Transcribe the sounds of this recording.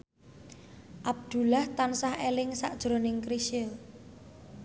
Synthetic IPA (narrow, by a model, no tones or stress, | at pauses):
ʔab̚d̪̥ṳlaht̪ansahelɪŋsa̰ʔd̥ʒ̥ɾo̤nɪŋkɾiʃɪl